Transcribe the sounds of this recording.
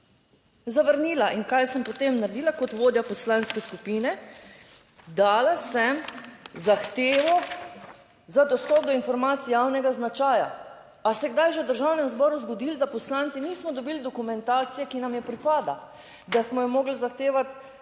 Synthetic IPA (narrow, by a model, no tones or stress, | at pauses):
zaʋəɾniːlaʔiŋkajsəmpot̪emnaɾed̪iːlakɔt̪ʋoːd̪japɔslaːnskɛskupiːnɛ | d̪aːlasɛmzaxt̪eːʋɔ | zad̪ɔst̪ɔp̚d̪ɔinfɔɾmaːt̪sijaːwnɛɡaznat͡ʃaːja̰ | asɛɡd̪ajʒewd̪əɾʒawnɛmzbɔːɾuzɡɔd̪ild̪apɔslant̪siniːsmɔd̪ɔbiːld̪ɔkumɛnt̪aːt̪sijɛkinamjɛpɾipaːd̪a | d̪asmɔjɔmoːɡlzaxt̪eːʋat̪